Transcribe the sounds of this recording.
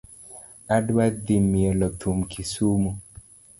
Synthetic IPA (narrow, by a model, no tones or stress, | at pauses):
adwad̪imiɛlɔt̪ʰumkʰisumu